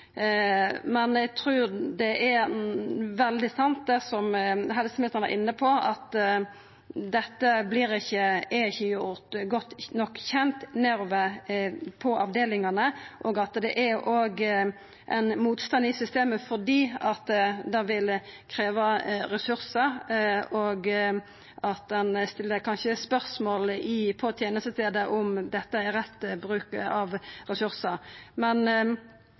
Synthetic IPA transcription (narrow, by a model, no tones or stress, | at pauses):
mɛnæɡt̪ʰɾʉːɾd̪ɛʔæ | ʋɛld̪ɪsɑnt̪̚d̪ɛsɔmɦɛlsəmɪt̪ənæ̰ʁʔɪnːəpʰɔɑt̪ | d̪ɛt̪ːəblɪɾɪçːəɛçːəjʊɾt̪ɡɔt̪ːnɔkːçɛnt̪næɾʋə | pʰɔʔɑʋd̪eːlɪŋɑnəʔoːɡɑt̪d̪ɛ̰ʔæɾʔoːɡ | ʔɛ̰ɪnmuːt̪st̪ɑnd̪ɪsʏst̪eːməfɔʁd̪iːɑt̪d̪ɑʋɪlkʰɾeːʋɑɾɛsʉɾsəɾoɡ | ʔɑt̪̚d̪ɛnst̪ɪlːəɾkʰɑnʃəspœʁsmoːlɪpʰɔt̪ʰjeːnəst̪əst̪eːd̪əʔʊmd̪ɛt̪ːəɛɾɛt̪ːbɾʉːkɑʋɾɛsʉɾsəmɛn